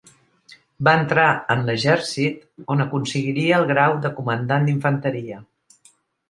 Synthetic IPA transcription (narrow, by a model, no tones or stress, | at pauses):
baənt̪ɾaənləʒɛɾsit̪onəkunsəɣiɾiəːlˠɣɾawd̪əkumənd̪and̪iɱfənt̪əɾiə